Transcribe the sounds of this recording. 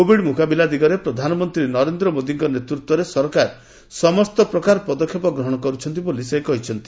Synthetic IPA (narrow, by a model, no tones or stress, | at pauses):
kobʱiɽmukabilad̪iɡɔɾepɾɔd̪ʱanɔmɔnt̪ɾinɔɾend̪ɾɔmod̪iŋkɔnet̪ɾut̪wɔɾesɔɾkaɾ | sɔmɔst̪ɔpɾɔkaɾɔpɔd̪ɔkʰjɔpɔɡɾɔɦɔɽ̃ɔkɔɾut͡ʃʰɔnt̪̬iboliseɦikɔɦit͡ʃʰɔnt̪i̥